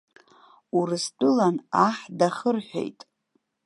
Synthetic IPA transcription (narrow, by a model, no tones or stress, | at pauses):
uɾɨsdʼɨlanaħdaχərħʷᶣḛjtʼ